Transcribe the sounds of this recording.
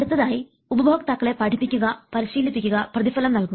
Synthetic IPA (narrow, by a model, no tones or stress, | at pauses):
ɐɽut̪ːɐðaːji | ubɐbʱoːɡɐt̪ɐkːɐɭe̞pɐʈʰipːikʲːuɣɐpɐɾiɕiːlipːikʲːuɣɐprɐðifɐlɐmnɐlkum